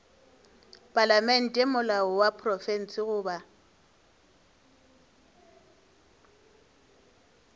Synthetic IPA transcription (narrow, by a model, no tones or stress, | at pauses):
pʼalamɛn̩tʼemʊlaɔwapʰrɔfɛn̩sɪɣʊːba